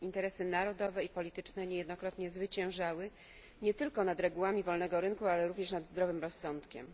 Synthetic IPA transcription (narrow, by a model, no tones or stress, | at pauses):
int̪ɛɾɛsɘnaɾɔd̪ɔvɛipɔlʲit̪ɘt͡ʂnɛɲɛjɛd̪nɔkɾɔt̪ɲɛzvɘt͡ɕɛ̃w̃ʐawɘ | ɲɛt̪ɘlkɔnad̪ɾɛɡuwamʲivɔlnɛɡɔɾɘŋkualɛɾuvɲɛʂnad̪zd̪ɾɔvɘmɾɔsːɔnt̪kʲɛ̰m